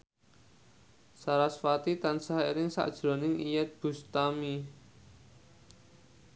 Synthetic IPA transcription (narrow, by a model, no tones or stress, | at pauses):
saɾasfat̪it̪ansaɦiɾɪŋsa̰ʔd̥ʒ̥ɾo̤nɪŋijɛt̪̚b̥ṳst̪ami